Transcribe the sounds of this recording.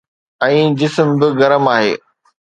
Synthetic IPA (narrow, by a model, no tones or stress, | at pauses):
ɛ̃ːd͡ʑɪsmbɪɣɐɾəmaːɦḛː